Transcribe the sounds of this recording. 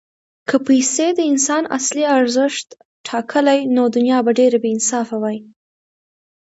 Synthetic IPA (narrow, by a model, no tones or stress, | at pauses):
kʰəpajsed̪əɪnsɑna̰sliaɾzəʃt̪ | ʈʰɑkʰəlajnod̪ʊnjɑbaɖeɾabeɪnsɑfawaj